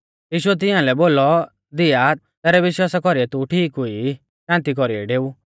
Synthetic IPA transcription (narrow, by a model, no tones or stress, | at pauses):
jiːʃʊɛt̪̬ɪ̃jãlɛboːlɔ | d̪ɪja | t̪ɛːɾɛʋɪʃwaːsakɔɾiɛt̪uʈʰiːkɦʊi | ʃãːnt̪ik̬ɔɾiɛ̰ɖeːu